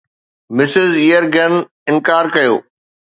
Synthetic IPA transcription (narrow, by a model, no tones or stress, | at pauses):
mɪsɪzijəɾɡʱɐn | ɪ̃nkaːɾkɐjo̰ː